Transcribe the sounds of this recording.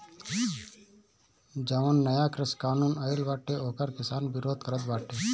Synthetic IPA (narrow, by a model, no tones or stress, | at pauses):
d͡ʒaʊnːəjaːkɾɪskaːnuːnəɪlbaːʈːeoːkəɾkɪsaːnbɪɾoːd̪̚ʱkəɾət̪baːʈːeː